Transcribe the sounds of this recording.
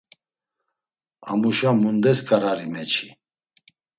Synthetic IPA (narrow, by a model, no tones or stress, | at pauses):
a̰muʃamund̪ɛskʰʼaɾaɾimɛt͡ʃʰi̥